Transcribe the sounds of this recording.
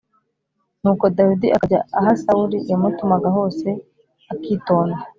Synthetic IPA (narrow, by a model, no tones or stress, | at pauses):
nuːko̞dawidiʔaaɟa̰aɦasauɾijamutumaɡaɦo̞ːse̞ | akiːto̞ːna